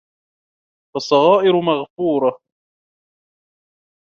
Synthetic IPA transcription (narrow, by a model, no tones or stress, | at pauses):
wɑsˤːɑɣɑːʔɪɾʊmaɣfuːɾˤɑ